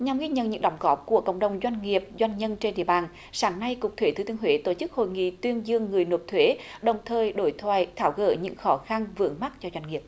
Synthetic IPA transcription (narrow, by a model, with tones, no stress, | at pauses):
ɲa˨˩mɣi˧ɲə̰˧˨nɲɨ̰˧˥ŋɗɔ˨˦wŋ͡mɣɔ˦˥p̚ku˧˩əkə̰˧˨wŋ͡mɗə˨˩wŋ͡mzwa˧jŋ̟ŋi˨˩əp̚zwa˧jŋ̟ɲə˧nt͡ɕe˧nɗḭ˧˨əɓaː˨˩n | saː˨˦ŋna˧jkʊ˨˩k͡p̚t̪ʰwe˧˦t̪ɨ˨˦t̪ɨ˧əŋɦwe˨˦t̪o˧˩t͡ɕɨ˦˥k̚ho̰˧˨jŋḭ˧˨t̪wi˧ənzɨ˧əŋːɨ˨˩əjno˨˩p̚t̪ʰwe˨˦ɗə˨˩wŋ͡mt̪ʰəː˨˩jɗo˧˩jt̪ʰwa̰ː˧˨jt̪ʰaː˧˩wɣə̰ː˧˩ɲɨ̰˧˥ŋxɔ˨˦xa˧nvɨ̰˧˥əŋma˦˥t̚t͡ɕɔ˧zwa˧jŋ̟ŋi˨˩əp̚